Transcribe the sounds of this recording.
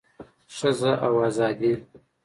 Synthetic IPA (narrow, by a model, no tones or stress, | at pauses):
ʂəzaʔawɑːzɑːd̪i